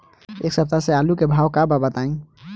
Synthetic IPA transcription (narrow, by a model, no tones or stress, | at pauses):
ḛksəp̚t̪asealukebʱaːwkababət̪aĩ